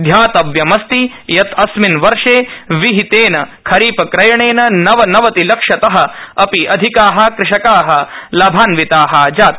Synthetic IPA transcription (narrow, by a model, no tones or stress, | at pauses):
d̪ʱjaːt̪ɐʋjɐmɐst̪i | jɐt̪ʰɐsminʋɐɾʂeːʋiɦit̪eːnɐkʰɐɾiːpɐkɾɐjɐɳeːnɐnɐʋɐnɐʋɐt̪ilɐkʂɐt̪ɐɦɐ̆ɐpiʔɐd̪ʱikaːɦɐ̆kɾɪʂɐkaːɦɐ̆lɐbʱaːnʋit̪aːɦɐːd͡ʒaːt̪̚